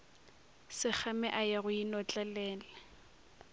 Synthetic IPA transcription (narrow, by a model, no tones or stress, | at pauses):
sɪk͡xʰamɛʔajaɣʊinɔt͡ɬʼɛlɛːlɛ